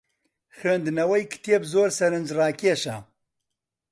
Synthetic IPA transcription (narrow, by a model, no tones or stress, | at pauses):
xøːnd̪nɐwɐjkʰɨ̥t̪ʰieːbzoːɾsɐɾɨnd͡ʒraːkʲeːʃa̰